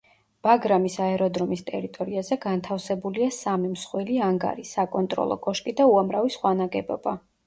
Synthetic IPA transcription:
b̥aɡɾamisaɛɾɔd̪ɾɔmist̪ʼɛɾit̪ʼɔɾiazɛɡant̪ʰafsɛbuliasamimsχwiliaŋɡa̰ɾisakʼɔnt̪ʼɾɔ̰lˠɔ̰kʼɔʃkʼid̪auamɾavisχwanaɡɛbɔ̰ba

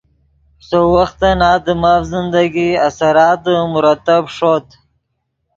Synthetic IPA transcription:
sowaxt̪anɑːd̪əmafzɪnd̪aɡiasaɾɑːt̪̚d̪əmʊɾat̪abʂot̪

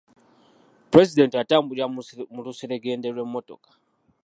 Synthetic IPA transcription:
pɾɛsidɛntwatambuɾamuɾusiɾɛɡɛndɛɾɛmɔtɔ̰kḁ

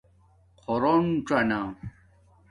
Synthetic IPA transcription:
qʰoɾonʈ͡ʂana

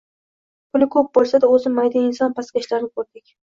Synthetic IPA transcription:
kʰʊnɪkʰɵp̚bolˠsad̪aɵzɪmːajd̪aɪnsɒnpʰaskʲaɪʃlaɾnɪkʰɵɾd̪ɪkʲ

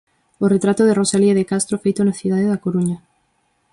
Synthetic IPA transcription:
oret̪ɾat̪oð̞erosaliaðekast̪ɾofejt̪onaθjuð̞aðeðakoɾuɲa

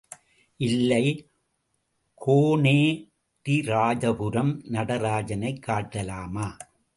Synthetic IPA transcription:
ʔɪlːɐɪ | kʰoːneː | t̪iɾaːd͡ʒɐpʊɾɐmnɐɽɐɾaːd͡ʒɐnɐɪkʰːaːʈːɐlaːmaː

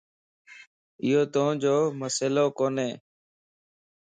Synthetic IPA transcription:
ɪjoːt̪õd͡ʒoːməseːloːkoːneː

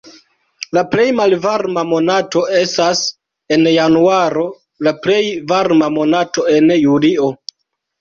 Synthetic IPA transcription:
laple̞jmalvaɾmamo̞nato̞e̞stas | e̞njanuaɾo̞ | laple̞jvaɾmamo̞nato̞e̞njulio̞

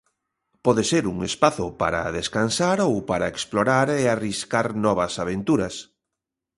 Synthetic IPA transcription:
pɔðeseɾuŋespaθʊpa̰ɾa̰ðeskansaɾowpaɾaeksploɾaɾeariskaɾnɔβ̞ɐsaβ̞ent̪uɾɐs

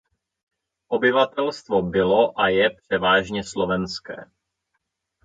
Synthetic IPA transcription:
ʔobɪvat̪ɛlst̪vo̞bɪlo̞ʔajɛpr̝̥ɛvaːʒɲɛslo̞vɛnskɛ̰ː

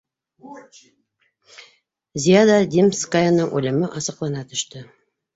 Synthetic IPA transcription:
zʲijad̪ad̪ʲimskajanɤŋʔʉlɘ̆mɘʔɑsɤ̆qlˠɑnɑt̪ɵ̆ʃt̪ɤ

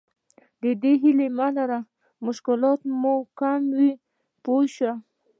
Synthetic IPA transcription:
d̪əd̪eɦilemalaɾa | mʊʃkɪlɑt̪mokamwi | poʃa

